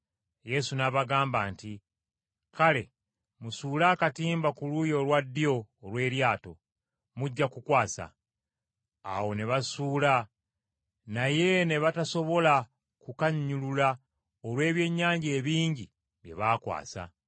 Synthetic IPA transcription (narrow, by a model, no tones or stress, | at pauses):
je̞sunaβaɡaːmbaːnti | kale̞ | musuːlakatiːmbakulujo̞lwadːio̞ːlwe̞ːɾjaːto̞̰ | muɟːakukwaːsa̰ | wo̞ne̞βasuːla | naje̞ne̞βataso̞βo̞la | kukaɲːulula | olwe̞ːβje̞ɲːaːɲɟe̞ːβiːɲɟi | βje̞̰βaːkwa̰ːsa̰